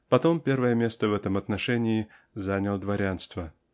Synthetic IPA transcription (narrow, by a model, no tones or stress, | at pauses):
pɐt̪o̞mpʲe̞rvəjəmʲest̪əvɛt̪əmɐt̪nɐʂɛnʲɪɪ | zanʲəlˠd̪vɐɾʲanst̪və